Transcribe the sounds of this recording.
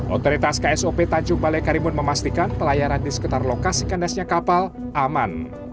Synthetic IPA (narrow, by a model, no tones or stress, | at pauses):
ʔo̰t̪oɾit̪askaɛsopet̪aɲt͡ʃʊŋbalajkaɾimʊnməmast̪ikanpəlajaɾandisə̥kɨt̪arlokasikandasɲakapalʔaman